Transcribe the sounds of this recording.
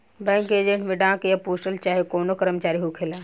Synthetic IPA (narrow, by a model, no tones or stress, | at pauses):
bɛ̃ːŋkeːd͡ʒə̃ɳʈmẽɖãːkjapuːsʈəlt͡ʃaːɦekoːnokəɾəmt͡ʃaːɾiɦukʰelaː